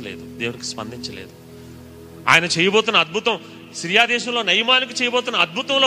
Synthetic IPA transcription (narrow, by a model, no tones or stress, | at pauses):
ɐlḛːd̪ud̪e̞ːwuniki̥spɐ̰nd̪iɲt͡ʃɐlḛːd̪u | a̰ːjɐnɐt͡ʃɛːjɐboːt̪unːɐɐd̪̚bʱut̪ɐm | sɾijaːd̪ɛːʃɐmlo̞ːnɐjɐmaːnik̬it͡ʃɛːjɐboːt̪̬unːɐɐd̪̚bʱut̪ɐmloː